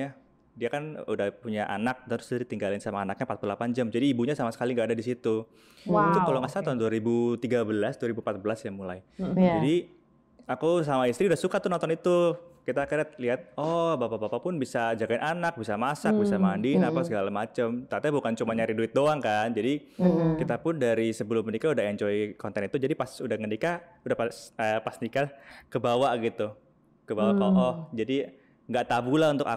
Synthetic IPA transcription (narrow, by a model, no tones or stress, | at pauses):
a | diakanudahpuɲaʔa̰nak̚t̪aɾʊ̥sdadit̪iŋɡalɪnsamaːnak̚ɲampat̪̚pululapand͡ʒamd͡ʒadiːbuɲasamasə̥kaliŋɡaːdadisit̪u | t̪ʊkaloŋasat̪aʊnduaɾibut̪iɡabəlasduaɾibumpat̪̚bəlasjaŋmula̰jd͡ʒadi | akus̬amaist̪ɾiudahsukat̪unɔnt̪ɔnit̪ukit̪akəɾat̪̚liɦat̪̚ɔbapabapapʊnbisad͡ʒaɡaɪnʔanak̚bisamasak̚bisamaandinapasəɡalamat͡ʃəmt̪at̪abukant͡ʃumaɲaɾiduɪt̪̚doaŋkand͡ʒadikit̪apʊndaɾisəbəlʊmːənikaudahɛɲt͡ʃoikɔnt̪ɛnit̪ud͡ʒadipasudahŋənikaudahpsəpast̪ikakəbawaʔɡit̪u | kəbawaʔkɔʔɔhd͡ʒadi | ŋɡaʔt̪abulaunt̪ʊka̰